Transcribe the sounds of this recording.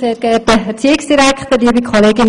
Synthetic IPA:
seːɾɡ̥ɛːp̚dəɛɾt͡siːɪksd̥iɾækt̪ədiːbikʰoleːɡɪn

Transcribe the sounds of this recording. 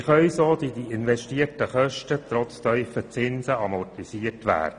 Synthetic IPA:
χœʏsoːd̪idiɪnʋɛʃtiːərtəχœʃtət̪rɔt͡stœʏfət͡sɪnsəɑmɔrtisiːərtʋæ̰ːdə

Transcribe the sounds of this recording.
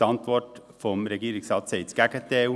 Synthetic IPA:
ɑnt̪ʰʋɔʈfɔmɾɛɡiːɾɪŋsɑːt̪seɪt̪sɡækət̪eːu

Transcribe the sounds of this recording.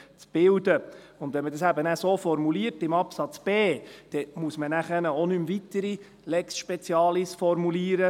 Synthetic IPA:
t͡sb̥ɪld̪ə | ʊndʋɛnmədɑsæbənæsoːfɔɾmuliːɾtɪmɑpsɑt͡sb̥eːd̥ɛmuəsmənæχənəonymvit̪əɾi | lɛksʃpɛt͡sjɑːlisfɔɾmuliːɾə

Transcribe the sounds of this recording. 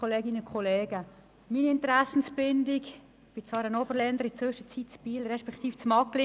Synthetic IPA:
oleːɡɪnəkʰχɔleːɡə | miːniɪntɾasn̩sbɪndɪk | b̥ɪt͡svɑːɾənɔbərlɛnd̪əɾɪt͡sʋɵʃət͡sitt͡sb̥iːlrɛʃpɛkt̪iːft͡smɑkli

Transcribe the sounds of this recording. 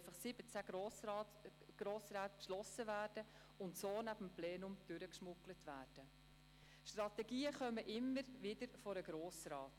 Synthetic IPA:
fɑχsɪb̥ət͡sæ | ɡ̥ɾoːsɾaːt̪pʃlɔsəvæːrd̥ə | ʊntsoːnæb̥əmpleːnʊmd̥ʏɾəkʃmʊklətʋæːrd̥ə | ʃtrɑt̪ɛɡiːəχœməʔɪmːəɾʋɪdəɾfɔɾəɡ̥ɾoːsrɑːt

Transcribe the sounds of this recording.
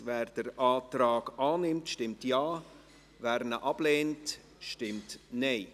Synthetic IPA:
vɛːɾd̥əɾʔaːtɾaːɡaːnɪmtʃtɪmtjɑː | væːɾnəʔɑb̥leːnt | ʃtɪmtneɪ

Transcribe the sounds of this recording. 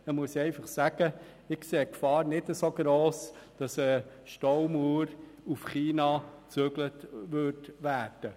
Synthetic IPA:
əmʊəsɛɪfɑχsæɡ̥ə | ɪkseːkfɑːɾnɪtəsoɡɾoːs | d̥ɑsə | ʃtɔwmuːɾ | ufχiːnɑt͡søɡlətʋʏɾtʋæːɾd̥ə

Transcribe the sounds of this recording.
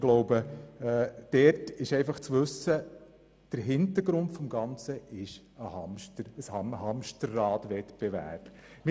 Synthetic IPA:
ɡ̥loʊbəɛːd̥ɛɾtɪʃɛɪfɑχt͡sʋɵsə | d̥əɾɦɪntəɾɡɾʊntfɔmɡɑnt͡səʔɪʃ | əhɑmʃtəəshɑmhɑmʃtəɾːɑːtʋɛtb̥evæ̰ːɾb̥ | mɪ

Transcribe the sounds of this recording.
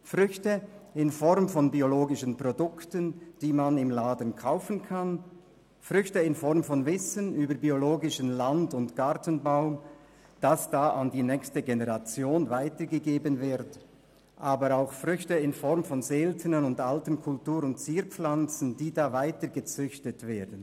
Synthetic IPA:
fʁʏçtəɪnfɔʁmfɔnbioloːɡɪʃənpʁɔdʊktənd̥iːmanɪmlaːdən̩kʰaʊfənkʰan | fʁʏçtəɪnfɔɾmfɔnvɪsənyːbəbioloːɡɪʃənlandʊntɡ̥aʁtənbaʊm | d̥asd̥aːʔandiːnɛːçstəɡenəʁat͡sjoːnvaɪtəɡəɡeːbənvɪʁt | ʔaːbəɾaʊxfʁʏçtəɪnfɔɾmfɔnzeltʰənənʊndaltənkʰʊltuːɾʊnt̚t͡siːɾp͡flant͡sn̩d̥iːdaːvaɪtəɡət͡sʏçtətv̥eːɐdən

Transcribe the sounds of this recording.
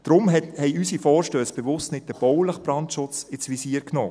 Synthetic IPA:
d̥ɾʊmhɛɪysifɔːɾʃtøːsb̥ɛvʊstnɪt̚d̥əb̥ɔwləχb̥ɾɑntʃʊt͡sɪsʋisiːəɾkno̰ː

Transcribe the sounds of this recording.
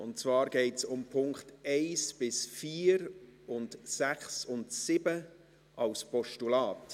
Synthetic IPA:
ʊntt͡svɑːɾɡ̥ɛɪtsʊmpʰʊŋkχtɛɪsb̥ɪsfiːɾʊntsæχsʊntsɪbə | ʔɑlspɔʃtulɑːt

